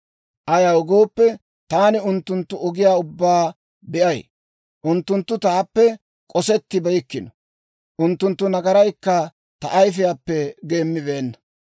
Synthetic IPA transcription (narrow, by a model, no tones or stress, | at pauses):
ʔɐjɐwɔɡo̞ːpːɛ | t̪aːnɪʊnt̪ːʊnt̪ːʊɔɡɪjaːʊbːaː | bɛʔɐj | ʔʊnt̪ːʊnt̪ːʊt̪aːpːɛ | kʼɔsɛt̪ːɪbɐjkːɪnɔ̥ | ʔʊnt̪ːʊnt̪ːʊnɐɡɐɾɐjkːɐ | t̪ɐ̰ʔɐjfɪjapːɛɡe̞ːmːɪbe̞ːnːɐ̥